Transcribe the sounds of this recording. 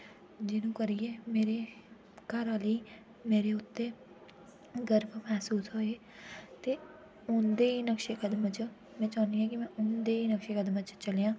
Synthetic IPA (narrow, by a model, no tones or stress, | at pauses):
d͡ʒɪnũːkəɾieːmeːɾeː | kəɾaliː | meːɾeːʊt̪ːeː | ɡəɾbmɛːsuːsɦoːeː | t̪eː | ʊnd̪eːiːnəkʃeːkəd̪mət͡ʃ | mɛ̃ːt͡ʃaːnd̪iːɛ̃ːkɪmɛ̃ːʔʊnd̪eːiːnəkʃeːkəd̪mət͡ʃt͡ʃəleːãː